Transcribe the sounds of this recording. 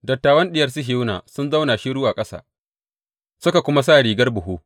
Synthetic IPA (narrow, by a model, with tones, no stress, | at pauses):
dɐ˨tːaː˨wɐ˦nɗɪ˦jɐ˨rsi˦ɦɪ˨˦na̰ː˨sʊ˦nza˦wnaː˨ʃi˦ɽʊ˦waː˨kʼɐ˦sa̰ː˨ | sʊ˦ka˨kʷʊ˦ma˦s̬aː˦ɽiː˨ɡɐ˦rbʊ˨ɦuː˦